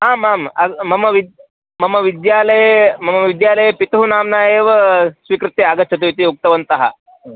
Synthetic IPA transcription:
ɦaːmaːmɐ̰ːɐmɐʋid̪ | mɐməʋid̪jaːləjmɐmɐʋid̪jaːlɐjepit̪ɐɦunaːmnaːjeːʋɐsʋikɾut̪ːeɐɡɐt̪ːt͡ʃʰɐt̪uit̪iuk̚t̪ɐʋɐnt̪ɐɦa̰

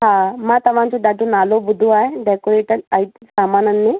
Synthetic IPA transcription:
ɦãmãt̪ɐʋ̤ãnt͡ʃoɖaʈonalobud̪ʱuaːɦeɖɛkoɾeʈəɾait̪saːmaːnənːe

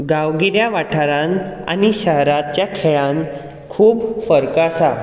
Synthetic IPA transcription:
ɡaʋɡiɾjaʋaʈʰaɾãna̰niɕəɦɾat̪̚t͡ɕjakʰeɭãn | kʰuːbfəɾkasa

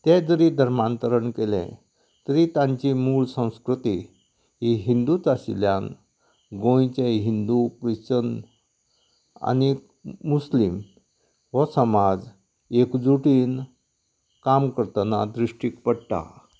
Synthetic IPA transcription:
t̪ɛ̃d͡zəɾiːd̪ʱəɾmant̪əɾəɳkelɛ̰̃ | t̪əɾit̪ãɲt͡ɕimuɭsə̃w̃skɾut̪i | ɦiɦind̪ut͡saɕḭljãn | ɡõjt͡ɕeɦind̪upɾit͡ɕən | a̰ni | muslim | ʋəsəmad͡z | ekd͡zuʈiːn | kamkəɾt̪ənad̪ɾiʂʈikpəɽʈ̪a̰

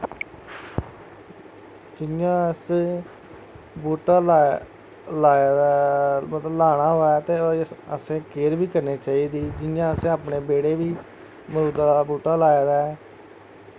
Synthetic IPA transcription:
d͡ʒɪjãːəs | buːʈaːla | laːd̪mət̪ləblaːɽ̃aːɦoːaːt̪eːəsẽːkeːɾbiːkəɾneːt͡ʃaːiːd̪iːd͡ʒɪnjãːəsẽːaːpneːbeːɽeːʋiː | məɾuːd̪abuːʈaːlaːeːd̪aːɛː

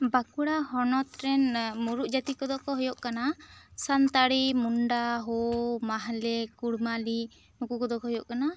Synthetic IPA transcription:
bakuɽahɔnɔt̪ɾɛnmuɾuʔd͡ʒat̪ikɔd̪ɔkɔɦɔjɔʔkanasant̪aɽimuɳɖaɦɔmaɦlɛkuɽmali | nukukɔd̪ɔkɔɦɔjɔʔkana

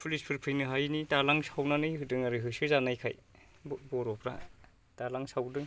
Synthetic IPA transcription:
pʰulispʰɯɾpʰɯjnɯɦajnitalaŋsawnanɯjɦɯdɯŋaɾɯɦɯsɯzanajkʰa̰j | bbɔɾɔpʰɾa̰ | talaŋsawdɯŋ

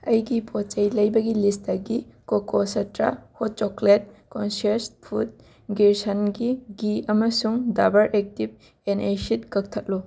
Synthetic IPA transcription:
ɐjɡipʰɔt͡ʃɐjlɐjbɐɡilistaɡikokosɐtɾa̰hɔt̚t͡ʃɔklet̚kɔnsespʰut̚ | ɡiɾsanɡiɡiɐmɐsuŋdabɐɾʔek̚tib̚ | enejsit̚kɐk̚tʰɐt̚lu

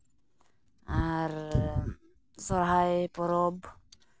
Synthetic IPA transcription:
aɾ | sɔɾɦajpɔɾɔb

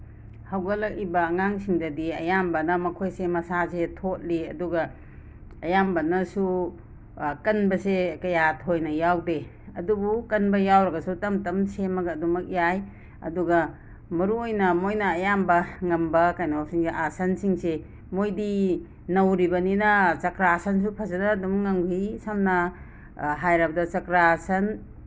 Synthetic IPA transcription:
hawɡɐlɐk̚ibɐːŋaŋsiŋdɐdiɐ̰jambɐnɐmɐkʰojsemɐsasetʰot̚liɐ̰duɡɐ | ɐjambɐnɐsu | kɐnbɐsekɐjatʰojnɐjawde | ɐ̰dubukɐnbɐjawɾɐɡɐsutɐmtɐmsemɐɡɐːdumɐk̚jaj | ɐ̰duɡɐ | mɐɾuojnɐmojnɐːjambɐŋɐmbɐkajnopsiŋseʔasɐnsiŋse | mojdi | nɐwɾibɐninɐt͡ʃɐkɾasɐns̬upʰɐsɐdaːdumŋaŋbisamnɐ | ɦajɾab̚dɐt͡ʃɐkɾasɐn

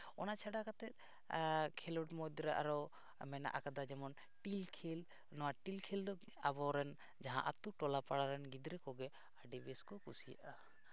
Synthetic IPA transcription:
ɔnat͡ʃʰaɖakat̪ɛt̪̚ˀ | kʰɛlɔʈmɔd̪ɾaʔa̰ɾɔ | mɛna̰ʔakad̪ad͡ʒɛmɔn | ʈilkʰil | nɔwaʈilkʰild̪ɔ | abɔɾɛn | d͡ʒaɦã̰ʔat̪uʈɔlapaɽaɾɛnɡid̪ɾɛkɔɡɛ | aɖibɛskɔkusija̰ʔa

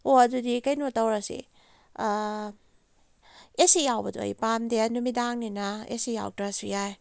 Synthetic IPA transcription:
oɐdudikajnotawɾasḭ | esijawbɐduo̰jpamdenumidaŋninaḛsija̰wtɾasujaj

